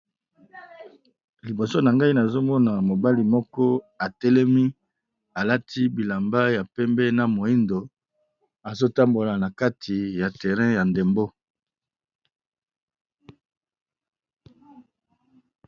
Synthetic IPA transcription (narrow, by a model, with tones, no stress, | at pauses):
li˨bo˨so˦na˨ŋɡa˦i˦na˨zo˦mɔ˦na˨mo˨ba˦li˨mɔ˦kɔ˦a˨tɛ˦lɛ˦mi˦ | a˨la˦tʰi˦bi˨la˨mba˦ja˨pɛ˦mbɛ˦na˨mo˨i˦ndo˨ | a˨zo˦ta˦mbo˨la˨na˨ka˦tʰi˨ja˨tɛ˨ʁɛ̃˦ja˨nde˨mbo˦